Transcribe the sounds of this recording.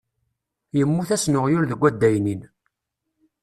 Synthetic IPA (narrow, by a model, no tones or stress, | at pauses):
jəmːuθæsnʊʁjʊɾðəɡʷːæd̪ːæjnin